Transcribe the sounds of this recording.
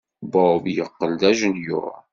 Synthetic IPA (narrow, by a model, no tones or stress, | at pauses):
bɑbjəqːəld̪æʒənjʊ̰